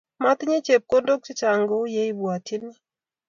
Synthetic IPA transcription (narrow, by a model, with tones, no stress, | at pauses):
ma˦t̪ɲe˦t͡ʃe˨p̚ko˦ndo˦k̚t͡ʃi˦t͡ʃa˨ŋɡo˦je˦i˦bwa˨ti˦nɪ˦